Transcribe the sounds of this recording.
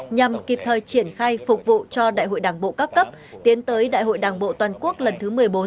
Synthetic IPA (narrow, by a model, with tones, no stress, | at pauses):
ɲa˨˩mki˨˩p̚t̪ʰəː˨˩jt͡ɕi˧˩ənxaː˧jfʊ˨˩k͡p̚vṵ˧˨t͡ɕɔ˧ɗa̰ː˧˨jɦo̰˧˨jɗaː˨˩ŋɓo̰˧˨kaː˦˥k̚kə˦˥p̚ | t̪i˨˦ənt̪əː˨˦jɗa̰ː˧˨jhɦo̰˧˨jɗaː˨˩ŋɓo̰˧˨t̪waː˨˩nku˦˥ək̚lə˨˩nt̪ʰɨ˨˦mɨ˨˩əjɓo˨˦n